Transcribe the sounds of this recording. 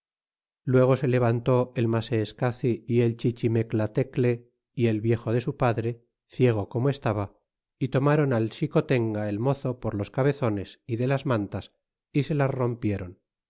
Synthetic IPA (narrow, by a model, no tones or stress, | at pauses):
lwe̞ɣ̞o̞se̞le̞β̞ant̪o̞e̞lmaseːskaθiie̞lt͡ʃit͡ʃime̞klat̪e̞kle̞ | ie̞lβje̞xo̞ðe̞supaðɾe̞ | θje̞ɣ̞o̞komoe̞st̪aβa | it̪o̞maɾo̞nalʃiko̞t̪e̞ŋɡae̞lmo̞θo̞poɾlo̞skaβe̞θo̞ne̞siðe̞lazmãnt̪as | ise̞lasro̞mpje̞ɾo̞n